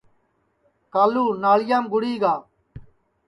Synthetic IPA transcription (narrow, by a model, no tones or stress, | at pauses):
kaːluːnaːlɪjaːmɡʊɽiːɡaː